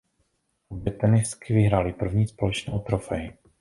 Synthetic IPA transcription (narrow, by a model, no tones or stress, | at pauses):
bɛt̪ɛnɪskɪvɪɦɾaːlɪpr̩vɲiːspo̞lɛt͡ʃnɛːʔot̪ɾofɛjɪ